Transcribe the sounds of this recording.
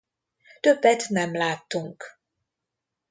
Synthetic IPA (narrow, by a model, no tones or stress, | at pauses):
t̪øbːɛt̪nɛmlaːt̪ːuŋk